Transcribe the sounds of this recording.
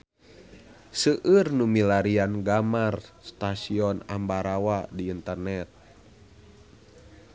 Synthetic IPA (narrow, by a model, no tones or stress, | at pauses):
səʔɨrnumilaɾianɡamarst̪asiɔna̰mbaɾawadiːnt̪ərnɛt̪̚